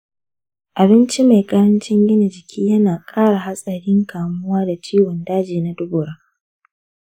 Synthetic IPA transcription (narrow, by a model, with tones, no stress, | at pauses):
ʔa˨bɪ˦nt͡ʃi˦ma˨jkʼɐ˦ɾɐ˦nt͡ʃɪ˦ŋɡʲɪ˦ne˨d͡ʒɪ˨kʲʰiː˦jɐ˦naː˨kʼaː˦ɽa˨ɦa˦sʼɐ˨ɽɪ˦ŋkʰaː˨mʊ˦waː˦da˨t͡ʃiː˦wɔ˨ndaː˦d͡ʒeː˨na˦dʊ˦bʊ˨ɽaː˦